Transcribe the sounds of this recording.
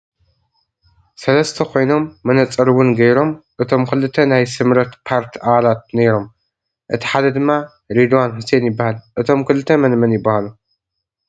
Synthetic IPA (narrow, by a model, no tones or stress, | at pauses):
sɐlɐst̪ʰɐkʰo̞jno̞mːɐnɐt͡sʼɐɾwʊnɡɐjɾo̞mʔɨt̪ʰo̞mkʰɨlɨt̪ʰːɐnajsɨmɾɐt̪pʰaɾt̪ʰiʔaβalat̪̚neɾo̞m | ʔɨt̪ʰi̥ħad̪ɐd̪ɨmːa | ɾed̪wanhuse̞njɪbːahalʔɨt̪ʰo̞mkɨlɨt̪ʰːɐmɐnmɐnjɪbːahalu